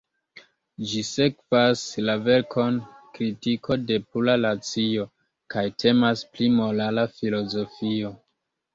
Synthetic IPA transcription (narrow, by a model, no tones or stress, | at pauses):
d͡ʒise̞kvaslave̞ɾkʰo̞nkɾitikʰo̞de̞pulanat͡sio̞ | kajtʰe̞masplimo̞lalafilo̞zo̞fio̞